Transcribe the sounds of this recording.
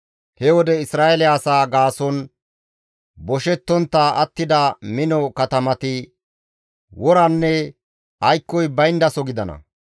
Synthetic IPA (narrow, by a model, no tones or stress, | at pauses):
hɛwɔd̪ɛɪsɾaːʔɛlɪaːsaːɡaːsɔn | bɔʃɛt̪ːɔnt̪ːaʔɐt̪ːɪd̪ɐmɪnɔkɐt̪ɐmɐt̪ɪ | wɔɾɐnːɛ | ɐjkːɔjbɐjnd̪ɐsɔɡɪd̪ɐnɐ̰